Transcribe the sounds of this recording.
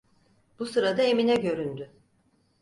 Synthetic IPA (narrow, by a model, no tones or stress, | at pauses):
b̥usɯɾad̪ae̞minɛɟø̞ɾynd̪y